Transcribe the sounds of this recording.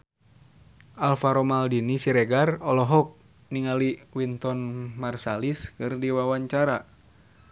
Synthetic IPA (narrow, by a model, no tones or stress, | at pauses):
alfaɾomaldinisiɾɛɡarɔlɔɦɔk̚ | niŋaliwint̪ɔnmarsaliskɨrdiwawaɲt͡ʃaɾa